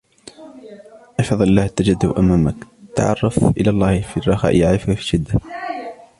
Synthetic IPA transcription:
ʔɑfɑðˤlɪlːaːht̪ːad͡ʒad̪ːʊ̰ʔamaːmakt̪a̰ʕɑ̰rˤːɑfʔɪlaːlˤːɑːhfirˤːɑxɑ̰ːʔʔaʕɪfʊkfiʃɪd̪ːa

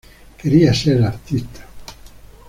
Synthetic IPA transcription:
keɾiasɛlaɾt̪ist̪ʰḁ

